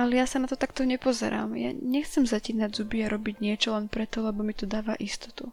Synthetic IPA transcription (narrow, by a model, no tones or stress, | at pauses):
alɛjasanat̪ɔt̪akt̪ɔɲɛpɔzɛ̰ɾa̰ːmja̰ɲɛxt͡sɛmzaciːnaɟzubiaɾɔbiɟɲɪɛt͡ʃɔlɛnpɾɛt̪ɔlɛbɔmit̪ɔd̪aːʋaʔist̪ɔ̥t̪u